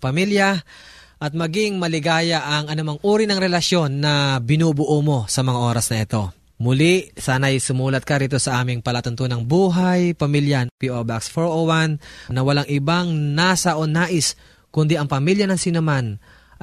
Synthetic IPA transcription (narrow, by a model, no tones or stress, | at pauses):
pɐmiljɐ | ʔɐt̪̚mɐɡɪŋmɐlɪɡaːjɐʔɐŋʔɐnʊmɐŋʔuːɾinɐŋɾɛlɐsjo̞nːɐbɪnuːbʊʔomo̞sɐmɐŋaʔo̞ːɾɐsnɐʔɛt̪o̞ | mʊlɪʔsaːnɐɐjsʊmuːlɐt̪̚kɐɾiːt̪o̞sɐʔaːmɪŋpɐlat̪ʊnt̪onɐŋbuːɦajpɐmiljɐpiʔobaksfoɹʔowannɐwɐlaŋʔɪbaŋnaːsɐʔo̞naːʔɪs | kʊnd̪iʔɐŋpɐmiljɐnɐŋsinɛman